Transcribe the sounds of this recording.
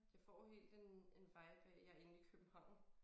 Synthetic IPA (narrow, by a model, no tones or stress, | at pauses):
jɑ̈ɪfɒ̰ːɦe̝̰ːld̥e̝ne̝nʋɑ̈ɪb̥ɛjɑ̈e̝nn̩ikʰøb̥m̩hɑ̈ʊ̰n̩